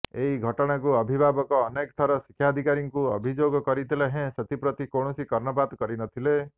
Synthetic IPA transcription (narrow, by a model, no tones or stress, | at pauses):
eiɡʱɔʈɔɽ̃akuɔbʱibʱabɔkɔːnekt̪ʰɔɾɔsi̥kʰːjad̪ʱikaɾjɔŋkuɔ̰bʱid͡ʒoɡɔkɔɾit̪ʰileɦẽset̪ipɾɔt̪ikoɳ̃ɔsikɔɾnɔbad̪kɔɾinɔt̪ʰile